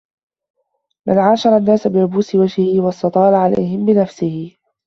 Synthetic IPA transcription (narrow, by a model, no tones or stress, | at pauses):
manʕaːʃɑɾˤɑnːaːsabɪɾʊbuːsɪwad͡ʒhɪhɪwɑst̪ɑt̪ˤɑːɾʕala̰jhɪmbɪnafsɪhɪ